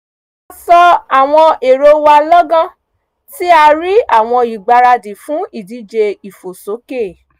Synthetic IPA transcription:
a˧sɔ˧a˨w̃ɔ̃˧e˨ɾo˧wa˧lɔ˦ɡã˦ | ti˦a˧ɾi˦a˦˨w̃ɔ̃˧i˨ɡ͡ba˧ɾa˧di˨fũ˨˦i˦˨di˨˦d͡ʒe˧i˨fo˨so˨˦ke˦˨

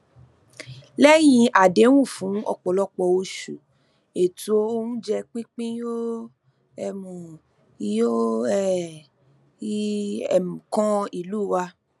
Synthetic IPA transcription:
lɛ˦j̃ĩ˧ʔa˨de˨˦w̃ũ˦˨fũ˨˦ɔ̰˧k͡pɔ˨lɔ˦k͡pɔ˧o˧ʃu˨ | e˨tu˨˦o˦o˦nũ˦d͡ʒɛ˧k͡pĩ˦k͡pĩ˦jo˦ | ɛ˧mũ˨ | jo˦ɛ˦˨˦ | ɛ˨m̩̃˨kɔ̃˦i˨luː˦˨wa˧

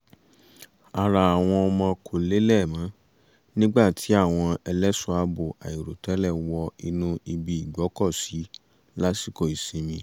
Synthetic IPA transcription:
a˧ɾa˨a˨w̃ɔ̃˧ɔ˧mã˧kʰo˨le˨˦lɛ˦˨mã˨˦ | nĩ˦ɡ͡ba˦˨tʰi˨˦a˦˨w̃ɔ̃˧ɛ˧lɛ˦sũ˦a˧bo˨a̰˨i˨ɾo˨tɛ˨˦lɛ˦˨wɔ˧i˧nũ˧i˧bi˨i˨ɡ͡bɔ˨˦kɔ˦˨si˨˦ | la˦si˦˨ko˨i˨sĩ˨˧mĩ˧˦

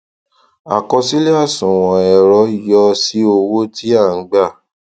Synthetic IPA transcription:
a̰˨kɔ˧si˦le˦a˦˨sũ˨w̃ɔ̃˨ɛ˨ɾɔ˨˦˨jɔ˧si˦o˧wo˦ti˦a˦˨˦ɡ͡ba˦˨

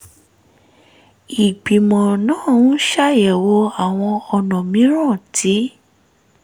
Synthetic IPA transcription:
i˨ɡ͡bi˨mɔ̃˨nãː˨˦˨ũ˦ʃa˦˨jɛ˨wo˧˦a˨w̃ɔ̃˧ɔ˧nɔ̃˨mĩ˨˦ɾ̃ã˦˨tʰi˨˦

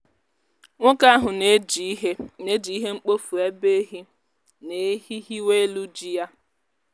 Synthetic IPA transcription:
ŋʷʊ˦ka˦a˦ɦʊ˨ne˦d͡ʒe˦ne˦d͡ʒi˨i˦ɦe˦ŋ͡m̩˦k͡po˦fu˨e˦be˦ɦi˦ | ne˨˦hi˦ɦi˦we˦lu˦d͡ʒi˦ja˦

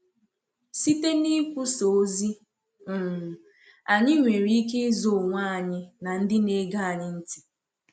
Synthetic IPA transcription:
si˦te˦ni˦kʷu˦so˨˦zi˦ | m̩˨ | a˨ɲɪ˦ŋʷe˨ɾi˦k̬e˦zo˨ŋʷa˦a˨ɲɪ˦na˨n̩˦dɪ˦ne˦ɡa˦a˨ɲɪ˦n̩˦ti̥˨

